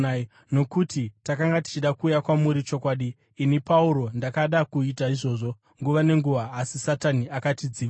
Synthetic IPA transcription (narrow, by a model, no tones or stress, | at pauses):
no̞kutitakaŋɡati̥t͡ʃiɗakuːjakwamuɾit͡ʃo̞kwaːɗiː | nipauɾo̞ndakaɗakuitaiʐo̞ːʐo̞ | ŋɡuʋane̞ŋɡuʋaːsisataniakatid͡ziːʋa